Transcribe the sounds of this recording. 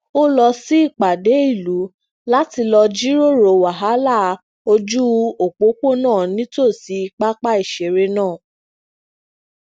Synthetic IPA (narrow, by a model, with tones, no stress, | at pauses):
o˦lɔ˧si˦i˦˨k͡pa˨de˨˦i˦˨lu˨˦ | la˦ti˧lɔ˧d͡ʒi˦ɾo˦˨ɾo˨wa˨ɦa˨˦la˦˨ | o˧d͡ʒu˦o˨k͡po˨˦ko˦nãː˦˨nĩ˦to˦˨si˧˦˧k͡pa˦k͡pa˦i˦˨ʃe˨ɾe˧nãː˦˨